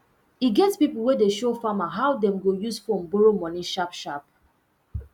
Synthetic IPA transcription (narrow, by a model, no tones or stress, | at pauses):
iɡɛtspipl̩wedeʃofamaɦawdɛ̃mɡojuzfomboɹomɔnĩʃapʃap̚